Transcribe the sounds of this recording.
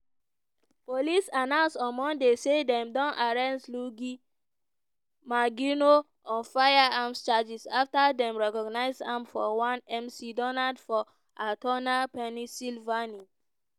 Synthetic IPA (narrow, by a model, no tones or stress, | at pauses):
polisanãsɔ̃nmɔ̃ndesedɛ̃mdɔ̃nʔaɹɛ̃ntluɡi | maɡino | ɔ̃nfajaamst͡ʃad͡ʒisaftadɛ̃mɹɛkɔɡnaɪsãmfɔ̰wãnɛ̃msidɔnadfɔ | atɔnapɛnisilvani